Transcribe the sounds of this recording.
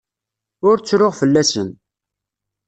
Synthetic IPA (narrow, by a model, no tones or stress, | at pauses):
ʊɾt͡sːɾʊʁfəlːæsən